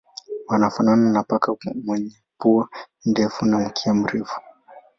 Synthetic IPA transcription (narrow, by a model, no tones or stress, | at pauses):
wanafanananapakamwɛɲɛpua | ndɛfunam̩kʰiam̩ɾɛfu̥